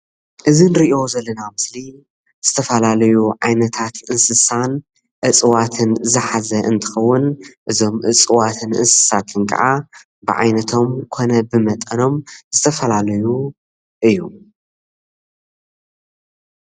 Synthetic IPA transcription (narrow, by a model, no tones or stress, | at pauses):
ʔɨzinɨɾiʔo̞zɐlːɐnamɨsli | z̥ɨt̪ʰɐfɐlalɐjuʕajnɐt̪ʰat̪ɨnsɨsan | ʔɨt͡sʼɨwat̪ʰɨnzɨħazɐʔɨ̰nt̪ʰɨ̥xɐwːʊnʔɨzo̞mʔɨt͡sʼɨwat̪ʰɨnɨ̰nsɨ̥sat̪ʰɨnkʼɐ̰ʕa | bɨʕa̰jnɐt̪ʰo̞mkʰo̞nɐbɨmɐt̪ʼɐno̞mz̥ɨt̪ʰɐfɐlalɐju | ʔɨjːu